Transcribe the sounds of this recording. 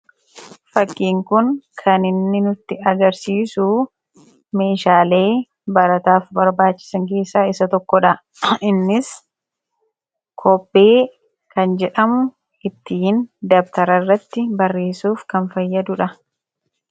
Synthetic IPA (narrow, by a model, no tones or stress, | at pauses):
fɐkːiːŋkʊnkʰɐnɪnːɪnʊt̪ːɪɐɡɐɾsiːsu | me̞ːʃaːle̞ː | bɐɾɐt̪aːfbɐɾbaːt͡ʃːɪ̥sɐŋk̬e̞ːsːaːɪsɐt̪ɔkːɔᶑɐ | ɪnːɪs | kʰɔpːe̞ː | kɐnd͡ʒɛᶑɐmʊ | ɪt̪ːiːnd̪ɐbt̪ɐɾɐrːɐt̪ːɪbɐrːe̞ːsuːfkɐnfɐjːɐd̪ʊᶑɐ